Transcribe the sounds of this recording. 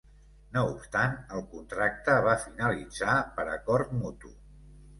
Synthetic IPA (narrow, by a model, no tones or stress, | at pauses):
noupst̪anəlˠkunt̪ɾak̚t̪əβ̞afinəlid͡zapəɾəkɔɾt̪mut̪ṵ